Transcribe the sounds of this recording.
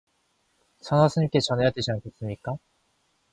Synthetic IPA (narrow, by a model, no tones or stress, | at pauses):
sʰʌnasʰɯɲik͈et͡ɕʌnejat̪eɕinakes͈ɯmɲik͈a